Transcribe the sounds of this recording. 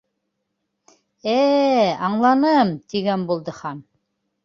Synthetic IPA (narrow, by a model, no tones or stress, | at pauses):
æɑɴlˠɑnɤmt̪iɡænbulˠd̪ɤχɑn